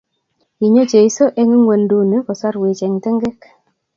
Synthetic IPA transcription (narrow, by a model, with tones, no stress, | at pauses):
i˨ɲo˦t͡ʃe˨i˦so˦ʔe˦ŋi˦ŋwe˨ndu˦ne˦kɔ˨swa˦ɾwe˨t͡ʃe˨ŋte˦ŋɡe˦k